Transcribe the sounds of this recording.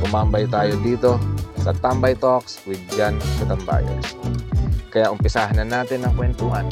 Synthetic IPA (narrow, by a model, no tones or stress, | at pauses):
ʔʊmambajt̪aːjod̪iːt̪o̞sɐt̪ambɐjt̪okswɪd̪̚d͡ʒankɐt̪ɐmba̰ːja̰s | kɐjaʔʊmpɪsaːɦanɐnːaːt̪ɪnːɐŋkwɛnt̪uʔan